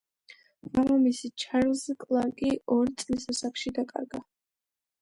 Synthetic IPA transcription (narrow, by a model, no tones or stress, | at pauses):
vamamisit͡ʃʰaɾlzɛkʼlˠaŋkʼiɔɾt̪sʼlisasaχʰʃid̪akʼa̰ɾɡa